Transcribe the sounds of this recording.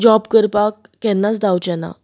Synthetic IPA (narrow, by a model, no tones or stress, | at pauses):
d͡ʑɔbkəɾpakːɛnːat͡sd̪awt͡ɕɛna̰